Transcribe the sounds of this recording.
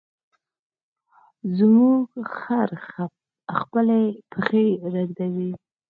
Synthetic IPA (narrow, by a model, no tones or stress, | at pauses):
zmuɡxaɾxa | xpəlepʰəxeɾəɡd̪awi